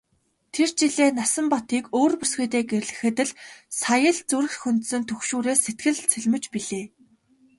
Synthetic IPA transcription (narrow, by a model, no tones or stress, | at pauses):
t̪ʰert͡ɕiɮeːnasə̆mpɔt̪iːkoːrpusɡuːt̪eːɡerɮɘ̆xɘ̆t̪ɘ̆ɮsajə̆ɮt͡suɾɘ̆xt̪xunt̪sɵ̆nt̪ʰɵxʃuːɾeːset̪ɡɘ̆ɮt͡sʰɵɮʲmɘ̆t͡ɕpiɮeː